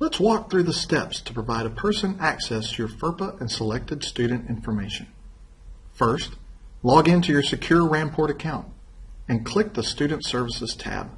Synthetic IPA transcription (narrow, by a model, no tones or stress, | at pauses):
lətswɔk̚θɹʉðəstɛpstʰə̥pʰɹ̥əvaɪɾɨpʰɜ˞sɨ̃næksɛstʰɨjə˞fɜ˞pəʔɨ̃nsəlɛk̚tɨd̥stʉdⁿn̩tɪ̃ɱfə˞meɪʃɨ̃n̩ | fɜ˞stlɔɡɪ̃ntʰʉjə˞sɨkʰj̥ʊɹɹæ̃npʰɔɹɾɨkʰãʊ̃nt | ɨ̃nkʰl̥ɪk̚ðəstʉdⁿn̩tsɜ˞vəsɨz̥tʰæ̰b̥̚